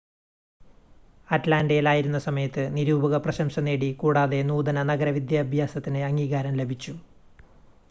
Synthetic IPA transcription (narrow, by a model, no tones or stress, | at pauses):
ɐtlaːndɐjilaːjiɾunːɐsɐmɐjɐt̪ːɨniɾuːbɐɣɐprɐɕɐmɕɐne̞ːɽikuːɽaːðe̞nuːd̪ɐnɐnɐɡɐɾɐʋid̪jɐːbʱjaːsɐt̪ːinɨɐŋːiːɣaːɾɐmle̞bʱit͡ɕːu